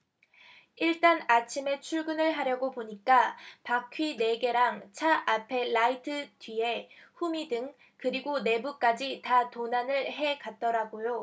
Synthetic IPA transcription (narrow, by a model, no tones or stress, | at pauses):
iɭt͈anat͡ɕʰime̞t͡ɕʰuɭɡɯnɯɭɦaɾjʌɡopoɲik͈apakʰɥine̞ɡe̞ɾaŋt͡ɕʰaʔapʰe̞laitʰɯdɥie̞ɸumidɯŋ | kɯɾiɡone̞buk͈ad͡ʑitatonanɯɭɦe̞kat̚t͈ʌɾaɡojo